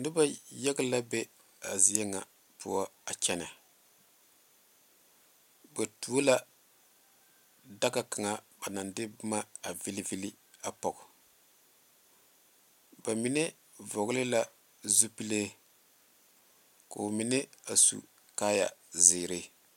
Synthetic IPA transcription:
dɪ˦ba˦jɛ˦ɡla˦bɛ˦ | a˨zi˨ɛ˦ŋa̰˨ | pṵ˦ɔ˦a˨t͡ʃɛ˦na˨ | ba˨tu˨˦o˦la˦ | da˦ka˨ka˨ŋa˨ba˨na˨ndɪ˦bʊ˦ma˦a˨vi˦li˦vi˦li˦ | a˨pɔ˨ɡ | ba˨mi˨˦nɛ˦ | vɔ˨ɡlɪ˦la˦ | zu˦pi˦leː˦ | ko̰˨mi˨nɛ˦a˨sṵ˨ | kaː˦ja̰˨zɪː˨ɾe˦

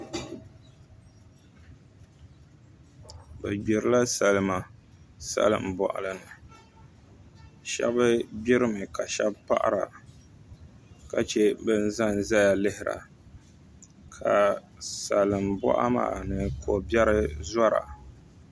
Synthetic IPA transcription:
bɛ˨ɡ͡bi˨ɾɨ˦la˦sa˨lɨ˨ma˨sa̰˦lɨ̰˨m̩˨bɔ̰˨ʔa̰˨lɨ˦nɨ˨ | ʃɛ̰˦bɨ˦bi˦ɾɨ˦mɨ˨ka˨ʃɛ˦bpa˦ʔa̰˦ɾa̰˨ | ka˨t͡ʃɛ˦bɨ˦n̩˦za˦n˦za˦ja˨lɨ˦hɪ˨ɾa̰˨ | kʰa˨ | sa˨lɨ˨mbɔ̰˦ʔa̰˦ma̰˨nɨ˨kʰo˨bɛ˦ɾɨ˦za˦ɾa̰˨

